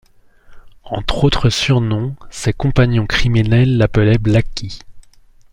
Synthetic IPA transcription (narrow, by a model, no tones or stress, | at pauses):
ɑ̰̃t̪χot̪χəsyʁnɔ̃sɛkɔ̃paɲjɔ̃kχiminɛlːapəlɛblakʲi